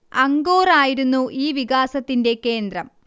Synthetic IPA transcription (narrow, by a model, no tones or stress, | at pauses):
ɐŋɡoːraːjiɾunːuʔiːʋiɡaːsɐt̪ːinde̞ke̞ːnd̪rɐm